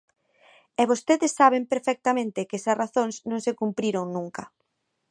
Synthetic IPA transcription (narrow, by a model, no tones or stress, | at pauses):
ɛβ̞ost̪eðɪsːaβ̞empeɾfɛk̚t̪amẽnt̪ɪkɛsɐsraθõŋsnõŋsekumpɾiɾoŋnũŋkɐ